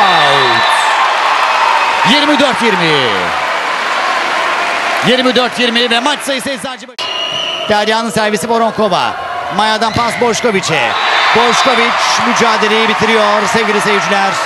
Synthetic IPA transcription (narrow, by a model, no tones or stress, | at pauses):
jiɾmid̪øɾt̪jiɾmi | jiɾmid̪øɾt̪jiɾmivɛmat͡ʃsajɯsajisaːd͡ʒeb | d̪̥æɾjaːnɯnsæɾvisiboɾoŋkova̰ | majad̪anpansboʃkovit͡ʃɛ̰b̥oʃkovit͡ʃmyd͡ʒaːd̪e̞lejibit̪ʰiɾijoɾsevɡʲiɾisejyd͡ʒlʲæɾ̥